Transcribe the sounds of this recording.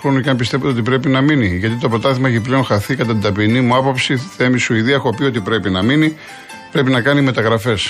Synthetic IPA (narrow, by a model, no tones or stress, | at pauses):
ɾunceɐmpist̪evt̪o̞t̪ipɾe̞pinɐminiʝɐt̪̬it̪opɾo̞t̪ɐθemɐeçiple̞onxɐθikɐt̪ɐt̪ind̪ɐpinimuɐpopsiθe̞misuiðiɐexopio̞t̪̬ipɾe̞pinɐmini | pɾe̞pinɐkɐnime̞t̪ɐɣɾɐfe̞s